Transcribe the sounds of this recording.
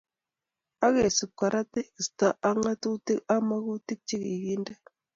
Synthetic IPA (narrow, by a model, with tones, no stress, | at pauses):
a˦ɣe˨su˨p̚ka˨ɾʔa˦te˦i˨sta˦˨ʔa˦ŋa˦tu˦ti˦ka˦ma˦ɣu˦ti˦k̚t͡ʃi˦ki˨ɡi˦nda˦